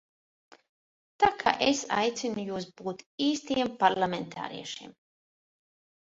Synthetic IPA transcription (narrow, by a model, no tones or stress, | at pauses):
t̪aːkʰa̰ːʔesa̰jt̪sinujuːs̬buːt̪iːst̪iɛmpaɾlˠamʲent̪ʰa̰ːɾḭɛʃiɛm